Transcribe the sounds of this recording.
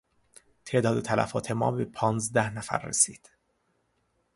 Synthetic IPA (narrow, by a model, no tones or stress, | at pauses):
t̪ʰe̞ʔd̪ɒːd̪et̪ʰælʔæ̰fɒ̰ːt̪ʰe̞mɒ̰ːbe̞pʰɒːnzd̪æhnæfæ̰ɾːḛsḭːd̪̥